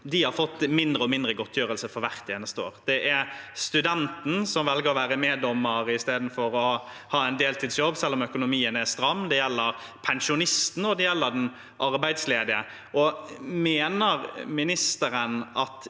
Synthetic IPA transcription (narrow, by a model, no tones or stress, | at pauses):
d̪ɪhɑɾfɔt̪ːmɪnd̪ɾəɔmɪnd̪ɾəɡɔt̪ʰːjøːɾəlsəfɔɾʋæɾt̪ʰjɛːnəst̪əoːɾd̪̥ɛʔæɾst̪ʉd̪ɛnt̪n̩sɔmʋɛlɡəɾɔʋæːɾəmeːd̪ɔmːəɾɪst̪eːd̪n̩fɔɾɔ | hɑːæɪnd̪eːlt̪ʰiːd̪sjɔbːsɛlːɔmœkʊnʊmiːənæɾst̪ɾɑmːd̪ɛjɛlːəɾ | pʰɛnʃʊnɪst̪n̩ɔd̪ɛjɛlːəɾd̪n | ʔɑɾbæɪd̪sleːd̪ɪə | ʔɔmeːnəɾmɪnɪst̪əɾənɑt̪